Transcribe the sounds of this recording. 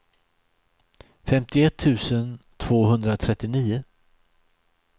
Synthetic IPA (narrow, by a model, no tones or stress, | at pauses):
fɛmt̪ɪɛt̪ʰːʉ̟ːsənt̪ʰv̥oːɦɵnd̪ɾat̪ʰɾɛt̪ːɪniːʊ